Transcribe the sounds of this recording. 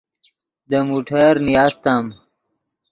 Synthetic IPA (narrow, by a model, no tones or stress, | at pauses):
d̪əmuʈʰaɾnijast̪am